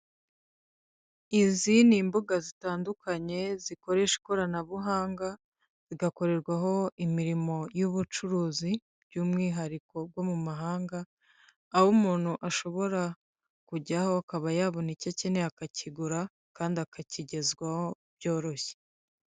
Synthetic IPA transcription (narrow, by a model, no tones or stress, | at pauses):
izinimbuɡazitaːndukaɲe̞ziko̞ɾe̞ʃe̥koɾanaβuɦaːŋɡa | z̥iɡako̞ɾe̞ɾɡwaɦo̞imiɾimo̞juβut͡ʃuɾuːzi | bɟuːmŋiːɦaɾiko̞b̚ɡwo̞mumaɦaːŋɡaː | humuːn̥huʔaʃo̞βo̞ɾa | kuɟaho̞akaβajaβonicacineakacʰiɡuɾa | kaːndiakaciɟe̞zɡwaho | bjo̞ːɾo̞çe̥